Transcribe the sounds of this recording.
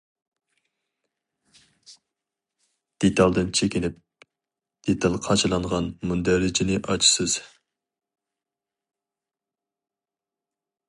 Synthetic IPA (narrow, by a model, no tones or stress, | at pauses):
d̪̥et̪ʰɑlˠd̪ɨnt͡ʃʰekʲinɪp̚ | d̪̥et̪ʰɑlˠqʰɑt͡ʃɨlˠɑɴʁɑnmund̪æɾɪd͡ʒɪnɪʔɑt͡ʃʰi̥sɨz̥